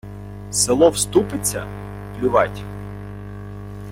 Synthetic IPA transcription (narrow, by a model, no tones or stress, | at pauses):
selˠɔwst̪upɪt͡sʲːɐ̰ | plʲʊʋɑtʲ